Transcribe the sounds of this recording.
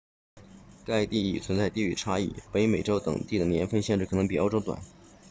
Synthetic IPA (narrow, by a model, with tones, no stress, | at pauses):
ka˥˧ɪt̪i˥˧i˥˩t͡sʰwə˧˥nt͡sa˥˧ɪt̪i˥˩y̰˥˩ʈ͡ʂʰa˥ḭ˥˩pe˧˥ɪme˨˩ɪʈ͡ʂo˥ʊt̪ɤ̰˨˩ŋt̪i˥˩d̪ə˩njɛ˧˥nfə˥˧nɕjɛ˥˧nʈ͡ʂɻ̩˥˩kʰɤ˨˩nɤ˧˥ŋpi˨˩o˥ʊʈ͡ʂo˥ʊt̪wa̰˨˩˦n